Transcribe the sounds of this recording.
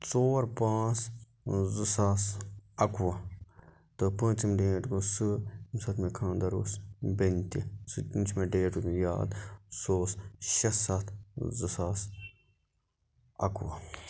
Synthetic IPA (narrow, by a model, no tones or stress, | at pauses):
t͡soːɾpãːt͡s | zɨsaːsɐkuʋɐ | t̪ɨpə̃ːt͡ʃimɖeːʈkusɨmsɐt̪ʰmẽkʰãːnd̪ɐɾoːsbenʲt̪isɨtint͡ʃʰmeɖeːʈukja̰ːd̪soːsʃɐsat̪ʰzɨsaːs | ɐ̰kuʋa